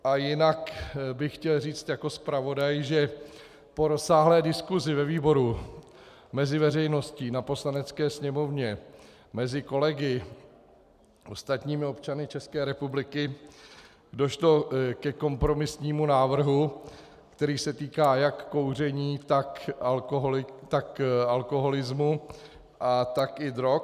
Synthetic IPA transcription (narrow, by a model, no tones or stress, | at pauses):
ʔajɪnakbɪxxcɛlriːt͡st̪jako̞spɾavo̞dajʒɛ | po̞ɾo̞saːɦlɛːdɪskuzɪvɛviːbo̞ɾu | mɛzɪvɛrɛjno̞scinapo̞slanɛt͡skɛːsɲɛmo̞vɲɛ | mɛzɪko̞lɛɡɪ | ʔo̞st̪at̪ɲiːmɪo̞pt͡ʃanɪt͡ʃɛskɛːɾɛpublɪkɪ | do̞ʃlo̞kɛko̞mpɾo̞mɪsɲiːmunaːvr̩ɦu | kt̪ɛɾiːsɛt̪iːkaːjakːo̞wr̝ɛɲiːt̪akoɦɪt̪akalko̞ɦo̞lɪzmu | ʔat̪akɪdɾok